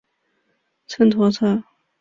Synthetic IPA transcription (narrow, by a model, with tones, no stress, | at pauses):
t͡sʰə˥nt̪ʰwɔ˥t͡sʰa˥˩